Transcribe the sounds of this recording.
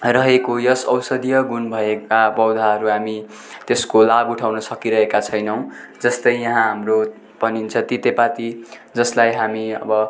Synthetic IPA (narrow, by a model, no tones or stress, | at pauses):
rʌɦekojʌsʌwsʌd̪ijʌɡunbʱʌekabʌwd̪ʱaɦʌɾuɦami | t̪eskolabuʈʰawnʌsʌkiɾʌɦekat͡sʰʌjnʌw̃d͡zʌst̪ʌjjʌɦãɦamro | pʌnint͡sʰʌt̪it̪epat̪i | d͡zʌslajɦamiʌ̰bʌ